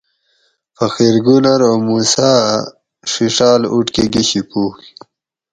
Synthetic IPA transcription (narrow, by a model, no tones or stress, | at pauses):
fəxeɾɡunaɾomusaː | ʂiʂaːluʈkeɡiɕipuːk